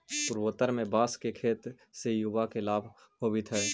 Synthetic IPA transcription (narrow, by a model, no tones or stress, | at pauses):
pʊɾwət̪əɾmẽbaːskekʰeːt̪ | sejubakelaːbʱ | ɦobit̪ʰɛː